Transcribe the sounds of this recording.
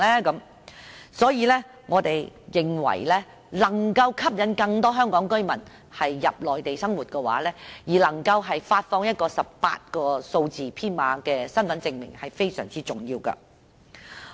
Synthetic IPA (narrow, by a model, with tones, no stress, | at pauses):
lɛː˥kɐ˨˥m | sɔː˨˥jiː˨˧lɛː˥ | ŋɔː˨˧t̪e˨jjɪ˨˩ŋwɐ̰˨˩jlɛː˥ | lɐ˨˩ŋkɐ˧wkʰɐ˥p̚jɐ˨˥nkɐ˧ŋt̪ɔː˥ɦœː˥ŋkɔː˨˥ŋkɵ˥ɥmɐ˨˩n | hɐ˨jːɐ˨p̚lɔː˨jt̪e˨jsɐ˥ŋwuː˨t̚kɛ˧wa̰ː˨˥lɛː˥jiː˨˩lɐ˨˩ŋkɐ˧wɦɐ˨jfaː˧t̚fɔː˧ŋjɐ˥t̚kɔː˧sɐ˨p̚pa̰ː˧t̚kɔː˧so˧wt͡siː˨pʰiː˥nmaː˨˧kɛː˧sɐ˥nfɐ˨˥nt͡sɪ˧ŋmɪ̰˨˩ŋhɐ˨jfe˥jsœː˨˩ŋt͡siː˥t͡sʊ˨ŋjiː˧wkɐ̰˧